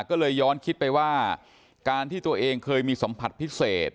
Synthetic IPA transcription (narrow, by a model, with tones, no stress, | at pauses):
kɔː˥˩lɤː˧jːɔː˦˥nkʰi˦˥t̪̚pa˧jwaː˥˩ | kaː˧nt̪ʰiː˥˩t̪u˧ɐʔeː˧ŋkʰɤː˧jmiː˧so˩˦mpʰa˨˩t̪̚pʰi˦˥seː˨˩t̪̚